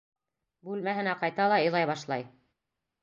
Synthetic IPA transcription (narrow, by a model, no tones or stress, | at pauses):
bʉlmæɦɘ̆næqɑjt̪ɑlˠɑɤ̆jlˠɑjβɑʃlˠɑj